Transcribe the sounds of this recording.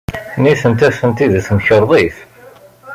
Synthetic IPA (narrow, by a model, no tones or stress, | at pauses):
niθənt̪æθənt̪iðθməçəɾˤðˤiθ